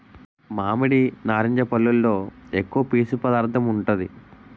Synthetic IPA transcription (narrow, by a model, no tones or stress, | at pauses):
maːmiɽinaːɾiɲd͡ʒɐpɐlːulːo̞ːekːuʋɐpiːsupɐd̪aːɾt̪ʰɐmuɳʈund̪ḭ